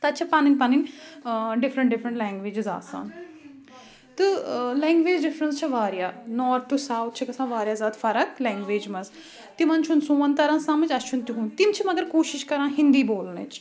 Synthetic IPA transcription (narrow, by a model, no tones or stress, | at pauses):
t̪ɐt͡ʃʰɐpaːninpaːnin | ɖɪfɾə̃ɳʈ̚ɖɪfʰɾə̃ɳʈlɛ̃ːŋɡʋeːd͡ʒiza̰ːsa̰ːn | t̪ɨlɛːŋɡʋeːd͡ʒɖifɾənst͡ʃʰɐʋaːɾjaːnɔːɾt̪ʰːusaːwt̪̚ʰt͡ʃʰikɐsãːʋaːɾjaːzaːt̪fɐɾɐklɛ̃ːŋɡʋeːd͡ʒmɐz | t̪imɐnt͡ʃʰunsũːɐnt̪ɐɾãːnsãːmɐt͡ʃʲɐst͡ʃʰunt̪iɦunt̪imt͡ʃʰimɐɡɐɾkoːʃiʃkɐɾãːɦind̪iːboːlnɨ̰t͡ʃ